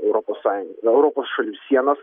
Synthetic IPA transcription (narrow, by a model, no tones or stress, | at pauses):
ɛʊɾoposɑːjʊŋɡɛʊɾɔpoːsʃɐlʲuːsʲiɛnɐs